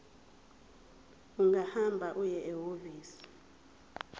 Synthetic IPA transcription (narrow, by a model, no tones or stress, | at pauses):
uŋɡahambʱaʔujɛʔɛɦoviːsi̥